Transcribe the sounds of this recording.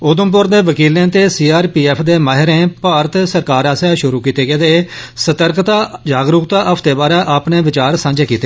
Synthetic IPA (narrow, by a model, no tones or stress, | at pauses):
ʊd̪ʊmpʊɾd̪eːʋəkiːlẽːt̪eːsiːaːɾpiːɛːpʰd̪eːmaːɦɪɾẽːpaːɾət̪səɾkaːɾɛːsɛːʃʊɾuːkiːt̪eːɡeːd̪eːsət̪əɾkt̪aːd͡ʒaːɡɾʊkt̪aːʔəpʰt̪eːbaːɾɛːʔaːpneːʋɪt͡ʃaːɾsãːɲd͡ʒeːkiːt̪eː